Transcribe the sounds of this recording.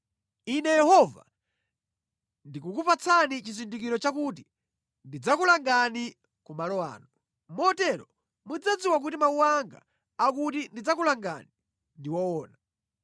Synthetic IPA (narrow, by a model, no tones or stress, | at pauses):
inɛjɛhɔva̰ | ndikukupat͡sʰanit͡ʃizindikiɾɔt͡ʃakuti | ndid͡zakulaŋɡani | kumalɔa̰ːnu | mɔtɛɾɔ | mud͡zad͡ziwak̬utimauwaŋɡa̰ː | kutindid͡zakulaŋɡa̰ni | ndiwɔwɔːna